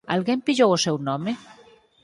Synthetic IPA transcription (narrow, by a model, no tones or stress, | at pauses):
a̰lɣempiʎowosɛwnɔ̃me